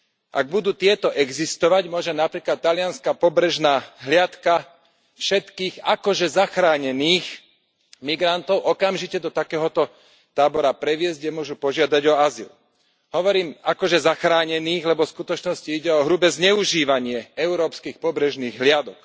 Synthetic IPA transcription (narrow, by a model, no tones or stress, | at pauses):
ʔa̰ɡ̚bud̪uːt̪ɪɛt̪ɔʔɛɡzist̪ɔʋaɟmʊɔʒɛnapɾiːklat̪ːalɪanskapɔbɾɛʒnaːɦlɪat̪ka | fʃɛt̪kiːɣakɔʒɛzaxɾaːɲɛniːx | miɡɾant̪ɔʊʔɔkamʒicɛd̪ɔt̪akɛːɦɔt̪ɔ | t̪aːbɔɾapɾɛʋɪɛzɟɛmʊɔʒupɔʒɪad̪aɟɔazḭl | ɦɔʋɔɾiːmakɔʒɛzaxɾaːɲɛniːɣlɛbɔfskut̪ɔt͡ʃnɔsciiɟɛɔɦɾubɛzɲɛuʒiːʋaɲɪɛɛʊɾɔːpskiːxpɔbɾɛʒniːɣɦlɪad̪ɔk